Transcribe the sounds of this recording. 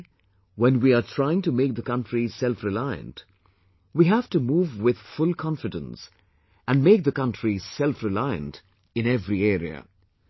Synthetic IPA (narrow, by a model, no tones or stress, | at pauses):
wɛ̃nwiatʰɹ̥aɪɪ̃ŋtɨmeɪk̚ðəkʌ̃ntɹisɛlfɹɪlaɪɨ̰̃nt | wiɦæftumuːvwɪð̥fʊlˠkʰɑ̃ɱfɨdə̃ns | æ̃nmeɪk̚ðəkʌ̃ntɹ̥isɛlfɹɪlaɪɨ̰̃nt | ɨ̃nɛvɾiɛːɾḭə̰